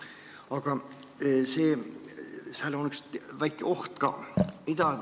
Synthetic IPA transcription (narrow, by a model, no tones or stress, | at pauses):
ɑkɑ | seː | sæːlonyksʋæjkːˑeoht̪kɑ̰mid̪ɑ